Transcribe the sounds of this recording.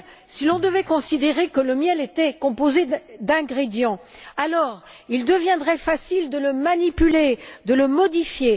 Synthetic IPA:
silɔ̃d̪əvɛkɔ̃sid̪eʁekələmjɛlet̪ɛkɔ̃pozed̪ɛ̃ɡʁed̪jɑ̃alɔʁ | ild̪əvjɛ̃d̪ʁɛfasild̪ələmanipyled̪ələmɔd̪ifje

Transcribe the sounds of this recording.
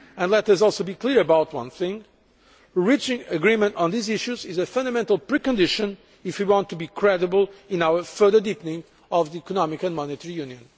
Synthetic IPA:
ɨ̃nlɛtɐsɔlˠsobikliɹɨbaʊtwʌ̰̃nθɪ̃ŋ | ɹit͡ʃɪ̃ŋɨɡɹĩmə̃ntn̩ðiziʃuzɪzɨfʌ̃nd̪əmɛ̃ntəlˠpɹikə̃ndɪʃɨ̃n | ɪfwiwɑ̃ntʰːubikʰɹɛdɨbəlˠɪ̃nawə˞fɜ˞ðə˞dipənɪ̃ŋ | ɔvðiikɔnɔmɪkɨ̃nmɔnɨtɛɹijũnjɨ̃n

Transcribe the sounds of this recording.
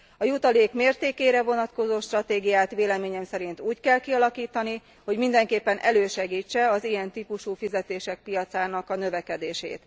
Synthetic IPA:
ɒjut̪ɒleːkmeːrt̪eːkeːɾɛvo̞nɒt̪ko̞zoːʃt̪rɒt̪eːɡijaːt̪ʋeːlɛmeːɲɛmsɛɾint̪uːckɛlkiɒlɒkiːt̪ɒni | ho̞ɟmind̪ɛŋkeːpːɛnʔɛløːʃɛɡiːt͡ʃːɛɒzijɛnt̪ipuʃuːfizɛt̪eːʃɛk̚pijɒt̪saːnɒkɒnøvɛkɛd̪eːʃḛːt̪

